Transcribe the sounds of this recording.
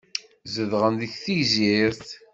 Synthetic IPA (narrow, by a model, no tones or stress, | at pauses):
zəðʁənðiçθiʝziɾθ